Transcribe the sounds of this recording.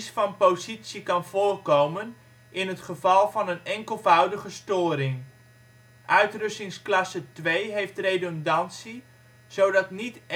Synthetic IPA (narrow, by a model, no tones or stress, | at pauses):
sfɑnpowzitsikɑnv̥ʊːrkowmən | ʔɪnɦətχəv̥ɑlˠvɑnənɛŋkəlˠvœwdəχəstoːɾɪŋ | ʔœɥtrɵstɪŋsklɑsətʋejɦejftrejdondɑntsi | z̥owdɑtnit